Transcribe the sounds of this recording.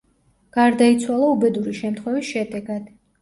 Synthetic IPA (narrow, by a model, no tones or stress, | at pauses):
ɡ̥aɾd̪ait̪sʰwalˠaubɛd̪uɾiʃɛmt̪ʰχwɛvisʃɛd̪ɛɡad̪̥